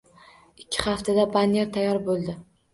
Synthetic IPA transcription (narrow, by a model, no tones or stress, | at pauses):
ɪkʲʰːɪχaft̪ʰad̪abanijeɾt̪ʰajːɒɾbolˠd̪ɪ